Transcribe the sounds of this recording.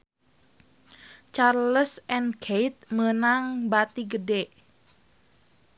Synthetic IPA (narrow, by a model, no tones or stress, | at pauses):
t͡ʃarləsɛnkʰejt̪̚mənaŋbat̪iɡədeʔ